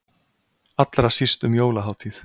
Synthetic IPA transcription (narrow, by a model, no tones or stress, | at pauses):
at̪lɾasist̪ʏmjoːwlaɦaːwt̪ʰiθ